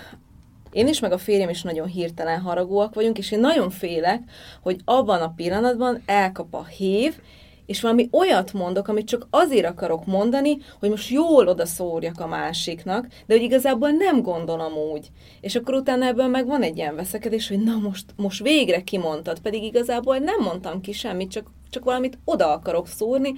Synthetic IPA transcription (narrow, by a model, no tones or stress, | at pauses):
eːniʃmɛɡɒfeːɾjɛmiʃnɒɟo̞nɦirt̪ɛlɛnɦɒɾɒɡoːɒkʋɒɟuŋkeːʃeːnːɒɟo̞ɱfeːlɛkho̞ɟɒbːɒnɒpilːɒnɒd̪bɒnɛlkɒpɒ̰heːv | eːʃʋɒlɒmiʔo̞jɒt̪mo̞nd̪o̞kɒmit̪̚t͡ʃɒkɒzeːɾɒkɒɾo̞kmo̞nd̪ɒniho̞ɟmo̞ʃt̪joːlo̞d̪ɒsoːrjɒkɒmaːʃiknɒkd̪ɛho̞ɟiɡɒzaːbolnɛmɡo̞nd̪o̞lo̞muːɟ | eːʃɒkːo̞ɾut̪aːnɒɛbːøːlmɛɡvɒnɛɟːijɛɱvɛsɛkɛd̪eːʃho̞ɟnɒmo̞ʃt̪mo̞ʃt̪ʋeːɡrɛkimo̞nt̪ɒt̪pɛd̪iɡiɡɒzaːboːlnɛmːo̞nt̪ɒmkiʃɛmːit̪t͡ʃɒk | t͡ʃɒkʋɒlɒmit̪o̞d̪ɒɒkɒɾo̞ksoːrni